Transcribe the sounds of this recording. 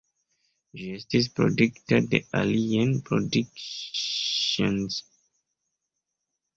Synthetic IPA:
ʒiestis̬pɾo̰dikteddeʔa̰lianpʰɾodik | õnz̥

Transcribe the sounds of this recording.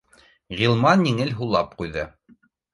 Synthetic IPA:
ʁʲilˠmɑnjiŋɘlɦulˠɑp̚qujðɤ

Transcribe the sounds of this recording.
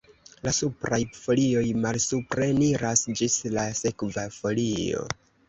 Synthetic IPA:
lasupɾajfo̞lio̞jmalsupɾe̞niɾasd͡ʒislase̞kvafo̞lio̞̰

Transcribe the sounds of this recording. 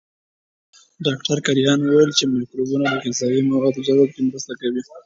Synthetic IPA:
ɖɑkʈaɾkaɾijɑnwowajəlt͡ʃemakɾubunad̪əkt̪ɪsɑd̪imawɑd̪zawɑb̚kemɾəst̪akawi

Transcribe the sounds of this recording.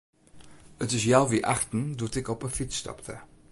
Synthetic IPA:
ətɪs̬jawʋiʔa̰xtn̩dutɪkɔpəfit͡sːtɔ̰ptʰə̰

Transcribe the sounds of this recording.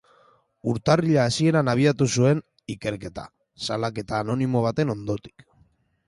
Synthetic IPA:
uɾt̪ariʎaːsie̞ɾanaβ̞iat̪usue̞n | ike̞ɾke̞t̪a̰ | salake̞t̪aːno̞nimo̞β̞at̪e̞no̞nd̪o̞t̪i̥k

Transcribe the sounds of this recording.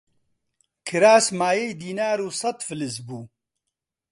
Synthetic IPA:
kʰɨɾaːsmaːjejd̪iːnaːɾuːsɐt̪fɨlɨsbuː

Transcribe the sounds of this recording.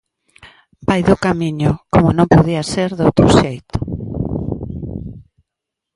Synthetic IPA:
b̥ajðʊkamiɲʊkomʊnõmpoðiaseɾðowt̪ɾʊʃejt̪ʊ̥

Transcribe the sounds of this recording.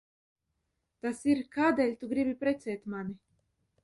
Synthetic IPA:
t̪asiɾkaːd̪ɛlʲt̪uɡɾibipɾɛt̪sɛːt̪mani

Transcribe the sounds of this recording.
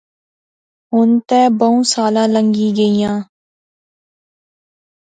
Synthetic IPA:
ɦʊnt̪ɛːbəũːsaːlãːlə̃ŋɡiːɡəijãː

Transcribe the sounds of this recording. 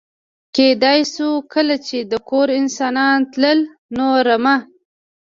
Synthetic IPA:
ked̪ɑjsukəlat͡ʃed̪əkoɾɪnsɑnɑnt̪ləl | noɾama

